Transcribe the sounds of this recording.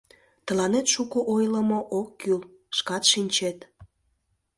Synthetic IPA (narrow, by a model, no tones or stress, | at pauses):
t̪ə̆lɑnet̪ʃukoʔojləmoʔokːyl | ʃkɑt̪ʃinʲt͡ɕet̪